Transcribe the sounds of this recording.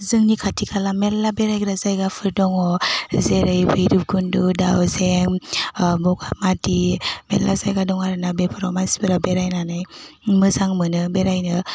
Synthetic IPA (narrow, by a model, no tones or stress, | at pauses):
zɯŋnikʰatʰikʰalamelːabeɾajɡɾazajɡapʰɯɾdɔŋɔzeɾɯjbɯjɾɯp̚ɡunduda̰wzeŋ | bɔɡamatimellːa̰zajɡadɔŋaɾɯnabepʰaɾɔmasbɯɾabeɾajnanajmɯzaŋmɯnɯbeɾajnɯ